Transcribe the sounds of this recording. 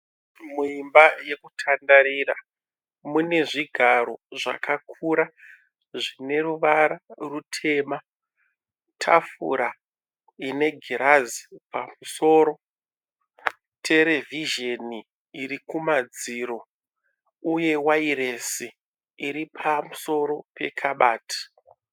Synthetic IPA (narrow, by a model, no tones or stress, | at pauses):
muimbaje̞kutʰandaɾira | mune̞ʐiɡʱaɾo̞ʐa̰kʰakʰuɾa | ʐine̞ruʋaɾarutʰe̞ːma | tʰa̰fṵɾa | ine̞ɡʱiɾazi̥pamuso̞ːɾo̞ | tʰe̞ɾe̞vʱiʒeniː | ɾikumad͡ziɾo̞ | uje̞wairesiː | ɾipʰamuso̞ɾo̞pe̞̰kʰaɓaːtʰḁ